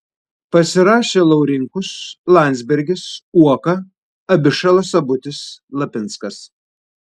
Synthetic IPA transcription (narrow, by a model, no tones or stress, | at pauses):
pɐsʲɪɾɑːʃʲeːlˠɐʊɾʲɪŋkʊslˠɑˑnʲd̪zʲbʲɛɾʲɡʲɪsuɔkɐ | ɐbʲɪʃɐlˠɐsɐbʊt̪ʲɪslˠɐpʲɪnt̪skɐs